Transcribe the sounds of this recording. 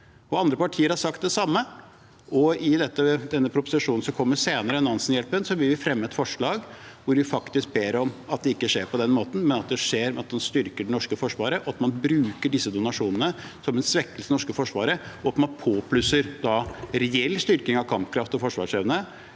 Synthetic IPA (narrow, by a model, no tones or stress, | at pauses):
ɔɑnd̪ɾəpɑʈʰiːəɾhɑɾʂɑkt̪̚d̪ɛsɑmːə | ɔɪd̪ɛt̪ːəd̪ɛnːəpʰɾʊpʊ̥sɪʂuːnn̩sɔmkʰɔmːəɾseːnəɾəɛnɑnsnjɛlpənsɔʋɪlʋɪfɾɛmːəɛt̪fɔʂɭɑːɡ | ʋʊɾʋɪfɑkt̪ɪsk̚beːɾɔmɑt̪̚d̪ɛɪkːəʂeːɾpɔd̪ɛnmoːt̪n̩mɛnɑt̪̚d̪ɛʂeːɾmɛɑt̪mɑnst̪ʏɾkəɖɛnɔʂkəfɔʂʋɑːɾəʔɔɑt̪mɑnbɾʉːkəɖɪsːəd̪ʊnɑʂuːnənəsɔmɛnsʋɛkːəlsənɔʂkəfɔʂʋɑːɾəɔɑt̪mɑnpʰoːpʰlʉsəɾd̪ɑɾɛɛlːst̪ʏɾkɪŋɑʋkʰɑmpkʰɾɑft̪ɔfɔʂʋɑ̰ːʂɛʋnə